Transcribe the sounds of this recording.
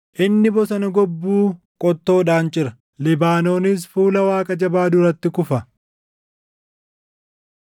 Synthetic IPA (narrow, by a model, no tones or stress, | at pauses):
ʔɪnːɪbɔsɐnɐɡɔbːuː | kʼɔt̪ːo̞ːᶑaːnt͡ʃʼɪɾɐ | lɪbaːno̞ːnɪs̬fuːlɐwaːkʼɐd͡ʒɐbaːd̪ʊɾɐt̪ːɪkʊfɐ